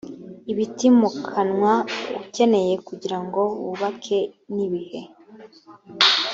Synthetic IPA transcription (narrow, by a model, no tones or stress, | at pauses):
iβitimukʰanŋwaṵce̞ne̞je̞kuɟiɾaŋɡo̞βṵβakʰe̞niβihe̞